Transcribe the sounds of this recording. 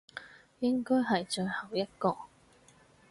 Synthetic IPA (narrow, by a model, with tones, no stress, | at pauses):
jɪ˥ŋkɔː˥jɦɐ˨jt͡ʃɵ˧hɐ˨˩wjɐ˥t̚kɔː˧